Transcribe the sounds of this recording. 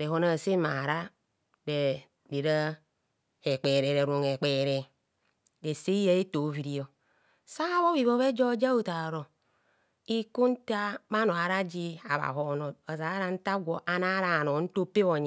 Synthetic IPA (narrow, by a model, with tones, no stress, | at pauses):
ɾe˨ho˨na˨se˦ma˨ɾa˦ | de˨ | di˨ɾa˦ | e˨k͡pe˨ɾe˨ɾe˨ɾo˨ŋe˨k͡pe˨ɾe˨ | de˨se˦ja˦e˦to˨˦vi˨ɾi˨˦o˨ | sa˦βo˦βi˨βo˦βe˦d͡ʒo˦d͡ʒa˦u˦ta˨ɾo˨ | i˦ku˦n̩˦ta˦ba˦no˨a˨ɾa˦d͡ʒi˦a̰˨βa̰˨ɦo˨no˨a˨za˨˦ɾa˦n̩˦ta˦ɡʷo˨ʔa˨na˦ɾa˨no˨˦n̩˦to˦pe˦βo˨ɲ˨